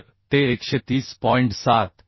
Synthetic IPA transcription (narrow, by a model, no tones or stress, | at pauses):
ɾ | t̪eːkʃet̪iːspɔɪɳʈsat̪